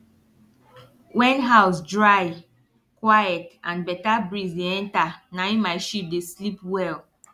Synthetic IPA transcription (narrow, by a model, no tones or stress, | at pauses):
wɛ̃nɦaʊsdɹaj | kwajɛtãnbɛtabɹizdeɛ̃ntanaĩmaɪʃip̚deslipwɛl